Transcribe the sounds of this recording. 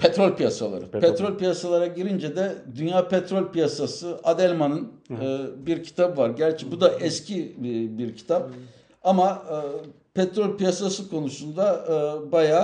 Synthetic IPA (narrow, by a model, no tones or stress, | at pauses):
pʰɛt̪ɾolʲpijasalˠa̰ɾɯpʰɛt̪ɾolʲpijasalˠaɾaɟiɾind͡ʒɛd̪ɛd̪ynjaːpɛt̪ɾolʲpijasasɯad̪ɛlʲmanɯnɯːbiɾcʰi̥t̪ʰabɯvaɾɟæɾt͡ʃʰɛbud̪aʔɛscʰibiɾcʰi̥t̪ʰap̚ | amaɯː | pʰɛt̪ɾolʲpijasasɯkʰo̞nusund̪abajaː